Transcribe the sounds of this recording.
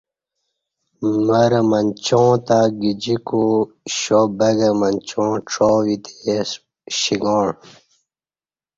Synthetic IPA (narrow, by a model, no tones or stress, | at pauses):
məɾmɐnt͡ɕõːt̪aɡid͡ʑiko | ɕobəɡəmɐnt͡ɕõːʈ͡ʂʰoːwit̪es | ɕiɡɔːɳ